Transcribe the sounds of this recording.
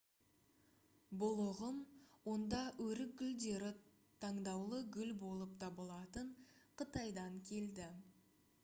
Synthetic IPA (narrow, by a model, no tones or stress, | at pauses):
bʊlˠʊʁəmwo̞nd̪ɑɵɾɪk̚ɡʲʏld̪e̞ɾɪ | t̪ʰɑɴd̪ɑwlˠəɡʲʏlbo̞lˠəp̚t̪ʰɑbəlˠɑt̪əɴqʰət̪ɑjd̪ɑŋkʲʰe̞ld̪ɪ